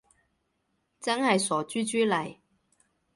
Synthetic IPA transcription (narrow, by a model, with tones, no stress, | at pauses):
t͡sɐ˥nhɐ˨jsɔː˨˩t͡ʃyː˥t͡ʃyː˥lɐ˨˩j